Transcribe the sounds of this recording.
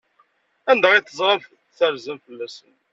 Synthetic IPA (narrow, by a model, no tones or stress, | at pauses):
ænd̪æʁiθːəzˤɾˤɑmf | θəɾzəmfəlːæsən